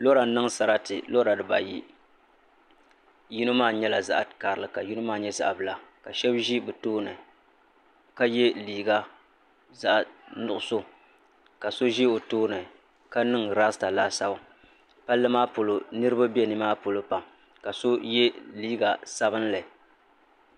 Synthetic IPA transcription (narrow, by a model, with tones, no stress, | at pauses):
lo˦ɾa˨˦nɨ˦ŋsa˨ɾa˦tɪ˨lo˦ɾa˨dɨ˨ba̰˨jḭ˦ | ji˦no˦maː˦˨ɲɛ˦la˨za̰˦ʔka˨ɾɨ˨lɨ˦˨ka˨ji˦no˦maː˦˨ɲɛ˦za̰˨ʔbɨ˨la˨ka˨ʃɛ˦bʒi˦bɨ˨toː˦nɨ˨ | ka˦jɛ˦liː˨ɡa˦ | za˦ʔnʊ˨ʔʊ˨so˦ | ka˨so˦ʒi˦o˨toː˦nɨ˨ | ka˦nɨ˦ŋɾaː˦sta˨laː˦sa˨ba˨ | pa˦lːɨ˦maː˦po˨lo˨nɨ˦ɾɨ˦ba˦bɛ˦nɨ˦maː˦po˨lo˦pa˨m | ka˨so˦jɛ˦liː˦ɡa˨sa˦bɨ˦n˦la˨i˨